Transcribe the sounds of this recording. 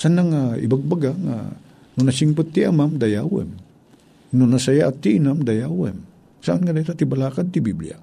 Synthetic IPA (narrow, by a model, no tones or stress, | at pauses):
sanaŋaḭbaɡ̚baɡaŋa̰ | nonasiŋpʊt̪ːiʔamamd̪ajawɛ̰m | nʊnasajaʔat̪ːiʔinamd̪ajawɛ̰m | saʔanŋkad̪ait̪at̪ibalakad̪t̪ibiblḭa̰